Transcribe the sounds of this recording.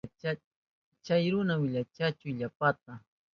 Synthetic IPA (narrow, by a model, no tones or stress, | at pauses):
a | t͡ʃajɾʊnawɪʎat͡ʃat͡ʃʊjʎapat̪̚a